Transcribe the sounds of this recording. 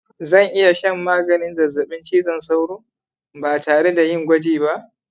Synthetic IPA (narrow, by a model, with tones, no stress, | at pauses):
zɐ˦˨ŋʔɪ˦ja˨ʃɐ˦˨mːaː˦ɡɐ˨nɪ˦nzɐ˨zɐ˨ɓɪ˦nt͡ʃiː˦zɐ˦˨nsa˦wɽoː˦ | baː˨taː˨ɽe˦da˨jɪ˦ŋɡʷɐ˦d͡ʒiː˨ba˦ʔ